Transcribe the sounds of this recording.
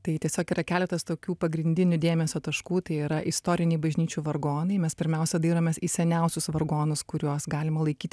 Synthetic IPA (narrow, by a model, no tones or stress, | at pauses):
t̪ɐɪt̪ʲiɛsʲoːkiːɾɐkʲæːlʲɛt̪ɐst̪oːkʲuːpɐɡɾʲɪnʲd̪ʲɪnʲʊd̪ʲeːmʲɛsʲoːt̪ɐʃkuːt̪ɐɪiːɾɐʔɪst̪oːɾʲɪnʲɛɪbɐʒʲnʲiːt͡ʃʲuːʋɐrɡoːnɐɪmʲɛspʲɪɾʲmʲɛʊsʲɛd̪ʲiːɾoːmʲɛsiːsʲɛnʲɛʊsʲʊsʋɐrɡoːnʊskʊɾʲuɔsɡɑːlʲɪmɐlˠɐɪkʲiːt̪ʲ